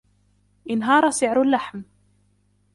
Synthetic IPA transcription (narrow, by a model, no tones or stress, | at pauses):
ʔɪnɦɑːɾˤɑsɪʕɾalːaħm